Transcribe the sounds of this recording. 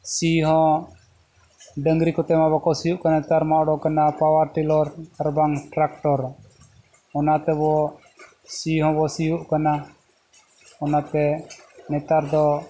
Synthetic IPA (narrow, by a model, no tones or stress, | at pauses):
siɦɔ̃ | ɖəŋɡɾikɔt̪ɛmaβɔkɔsijuʔkanaɛt̪aɾmaʔɔɽɔkanapawaɾʈilɔɾaɾbaŋʈɾakʈɔɾ | ɔnat̪ɛβɔ | siɦɔ̃bɔsijuʔkana | ɔnat̪ɛnɛt̪aɾd̪ɔ